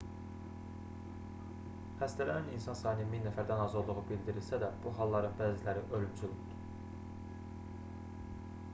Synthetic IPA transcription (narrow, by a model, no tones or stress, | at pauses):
hæst̪ælææninsɑnsɑːnɯminːæfæɾd̪ænɑzolˠuʁubilʲd̪iɾilsæd̪æb̥uɦɑlˠːɑɾɯnbæːzilæɾiʔølymt͡ʃʰylybd̪̥u̥